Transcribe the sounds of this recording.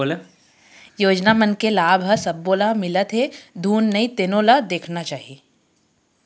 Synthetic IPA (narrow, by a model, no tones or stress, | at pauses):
le | joːd͡ʒnamənkelaːbʱəsɐbːolamɪlət̪ɦed̪ʱuːnːəĩt̪ɪnõlad̪eːkʰnat͡ʃaːɦieː